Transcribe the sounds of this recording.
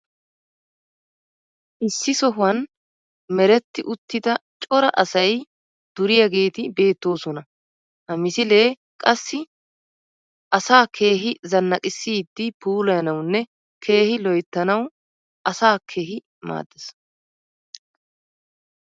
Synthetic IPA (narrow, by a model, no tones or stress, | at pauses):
ʔɪsːɪsɔɦʊɐn | mɛɾɛt̪ːɪʔʊt̪ːɪd̪ɐt͡ʃʼɔɾɐʔɐsɐj | d̪̥ʊɾɪjɐɡe̞ːt̪ɪbe̞ːt̪ːo̞ːsɔnɐ | hɐmɪsɪle̞ː | kʼɐsːɪ | ʔɐsaːkʰe̞ːɦɪzɐnːɐkʼɪsːiːd̪ːɪpuːlɐjɐnɐwnːɛ | kʰe̞ːhɪlɔjt̪ːɐnɐw | ʔɐsaːkʰe̞ːɦɪ | ma̰ːd̪ːɐs